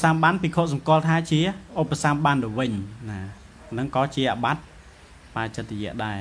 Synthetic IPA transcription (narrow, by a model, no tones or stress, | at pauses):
samɓanpiːkʰoːʔ̚sɑmkŏəlt̪ʰaːt͡ɕiəʔopːasamɓanɗɨːʋɨɲnaː | nɨŋkɑːt͡ɕiəʔaɓat̪̚ | paːt͡ɕɨt̪̚rɔjɛ̆əʔɗaɛ